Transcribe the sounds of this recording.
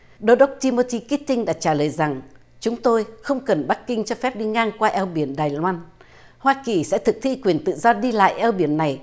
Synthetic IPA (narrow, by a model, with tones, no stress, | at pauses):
ɗo˧ɗə˦˥k͡p̚t͡ɕi˧mo˧t̪i˧ki˦˥t̚t̪ï˧ŋ̟ɗa̰ː˧˥t͡ɕaː˧˩ləː˨˩jza˨˩ŋ | t͡ɕʊ˨˦ŋ͡mt̪o˧jxə˧wŋ͡mkə˨˩nɓa˦˥kːi˧ŋ̟t͡ɕɔ˧fɛ˦˥p̚ɗi˧ŋaː˧ŋkwaː˧ʔɛ˧wɓi˧˩ənɗaː˨˩jlwaː˧n | hwaː˧ki˨˩sɛ̰˧˥t̪ʰɨ˨˩k̚t̪ʰi˧kwi˨˩ənt̪ɨ̰˧˨zɔ˧ɗi˧la̰ː˧˨jʔɛ˧wɓi˧˩ənːa˨˩j